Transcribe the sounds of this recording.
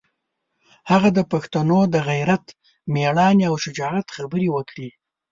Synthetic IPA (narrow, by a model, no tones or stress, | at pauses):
haɣad̪əpaxt̪anod̪əɣajɾat̪ | meɽɑniawʃɪd͡ʒɑat̪xabəɾiwəkɽi